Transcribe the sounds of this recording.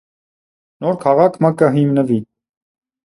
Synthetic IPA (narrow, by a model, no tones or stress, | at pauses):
nɔɾkʰɑʁɑkʰməkəɦimnəvi